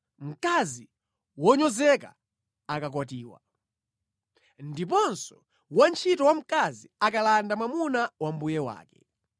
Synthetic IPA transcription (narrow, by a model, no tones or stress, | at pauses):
m̩kazi | wɔɲɔzɛka̰ | akakwatiːwa̰ | ndip̬ɔnsɔ | want͡ʃʰitɔwam̩kaziakalandamwamunawambujɛwa̰ːkɛ̥̰